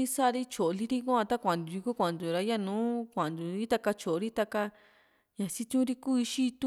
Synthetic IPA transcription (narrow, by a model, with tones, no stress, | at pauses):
i˦sa˦˧ɾi˦t͡ʃo˨˧li˧ɾi˦ku˦ã˧t̪a˦kʷã˨d̪u˨i˧ku˦kʷã˨nd̪u˨ɾa˧ja˦nũː˨˦kʷã˨nd̪u˨i˦t̪a˧ka˧t͡ʃo˨o˧ɾi˦t̪a˧ka˧ | ɲã˨si˧t̪ũ˦ɾi˧kuː˦i˧ʃi˦˧t̪ũ˦